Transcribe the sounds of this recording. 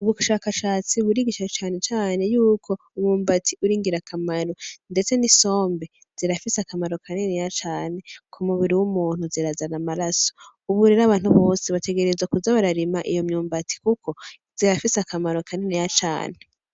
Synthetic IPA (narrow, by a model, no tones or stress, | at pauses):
uβuʃaːkaʃaːt͡siβuɾiɡiʃat͡ʃaːne̞t͡ʃaːne̞juːkʰo̞ | umɲuːmbatʰiʔuɾiːŋɡiɾakʰamaɾo̞nde̞t͡se̞niso̞ːmbe | z̥iɾafisakamaɾo̞kʰanenejat͡ʃaːne̞kʰumuβiɾiwumuːn̥huziɾazanamaɾaso̥ | uβuɾeɾaβaːn̥huβo̞ːseβate̞ɡe̞ɾe̞zwakuzaβaɾaɾimaʔijo̞mɲuːmbatʰi̥kuko̞ | z̥iɾafisakamaɾo̞kʰanenejat͡ʃa̰ːne